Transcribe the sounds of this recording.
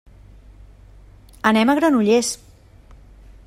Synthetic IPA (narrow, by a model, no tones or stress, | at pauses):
ənɛməɣɾanuʎes